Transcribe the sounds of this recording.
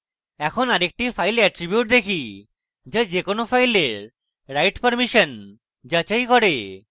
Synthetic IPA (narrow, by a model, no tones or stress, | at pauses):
ɛkʰonaɾek̚ʈifajlɛʈɾibjuʈ̚d̪ekʰi | d͡ʑed͡ʑekonofʰajleɾ | ɾajʈpəɾmiʃon | d͡ʑat͡ɕajkɔɾe